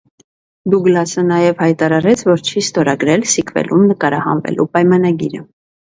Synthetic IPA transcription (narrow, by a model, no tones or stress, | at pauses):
d̪uɡlɑsənɑjɛvhɑjt̪ɑɾɑɾɛt͡sʰvɔɾt͡ʃʰist̪ɔɾɑɡɾɛlsikvɛ̰lʔumnəkɑɾɑhɑ̰nvɛ̰lʔupɑjmɑnɑɡiɾə